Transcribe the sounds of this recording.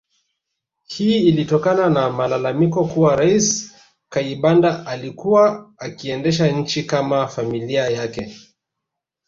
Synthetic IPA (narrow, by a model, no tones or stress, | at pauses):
hiːilitɔkananamalalamikɔkuwaɾais | kaiɓandaʔalikuwaːkiɛndɛʃ̬aɲ̩t͡ʃikamafamiliajakɛ